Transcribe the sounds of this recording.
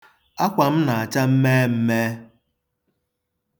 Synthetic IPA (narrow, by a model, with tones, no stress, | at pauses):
a˦kʷa˨m̩˦na˨a˨t͡ʃa˦m̩˦me˦m̩˦me˦